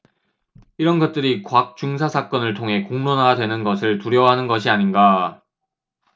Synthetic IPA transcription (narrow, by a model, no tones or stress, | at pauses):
iɾʌnɡʌt̚t͈ɯɾikwak̚t͡ɕ͈uŋsʰasʰak͈ʌnɯɭtʰoŋɦe̞koŋnonadwe̞nɯnɡʌsʰɯɭtuɾjʌwɦanɯnɡʌɕʰiaɲinɡa